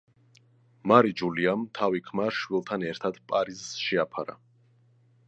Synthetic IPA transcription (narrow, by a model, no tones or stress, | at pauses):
maɾid͡ʒuliamt̪ʰavikʰmaɾʃwilˠt̪ʰanɛɾt̪ʰad̪̥pʼaɾizʃɛapʰa̰ɾa̰